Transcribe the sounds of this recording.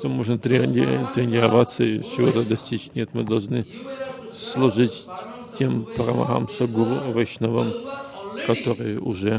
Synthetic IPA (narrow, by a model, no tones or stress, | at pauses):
t̪ɐmoʒnɐt̪rʲet̪rʲenʲirɐvat͡sːɐit͡ʃʰivot̪ɐd̪ɐsʲtʲit͡ʃnʲet̪mɨd̪ɐlˠʒnɨ | slˠuʒɨtʲ | tʰʲːempʰɐrɐmɐ̰ɦa̰msɐɡʷʊrvɐʃnɐvɐm | kɐt̪ʰorɨjuʒɛ